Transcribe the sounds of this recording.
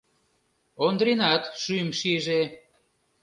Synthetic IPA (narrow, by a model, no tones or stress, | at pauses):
ond̪ɾinɑt̪ʃymʃiʒe